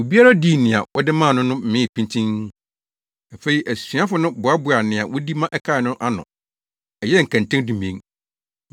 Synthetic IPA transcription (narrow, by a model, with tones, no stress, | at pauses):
o˨bi˦a˦ɾa˦di˦˨nɪ̃˨a̰˨wɔ˦dɪ˦mãː˦˨nʊ̃˦nʊ̃˦m̩˦mɪ̃˦˨pʰĩ˦ntʰĩ˦ŋ | a˨fe˨i˨ʔæ˨si˨˦a˦fʊ˦nʊ̃˦bʊ˨a˦bʊ˨a˨nɪ̃˨a˨wɔ˦di˦mã˦ʔɛ˦kʰa˦˨nʊ̃˦ʔa˦nʊ̰̃˨ | ɛ˨jɛ˦ŋ̩˨kʰã˨ntʰɛ̃˦ndũ˨mẽ˨˦ŋ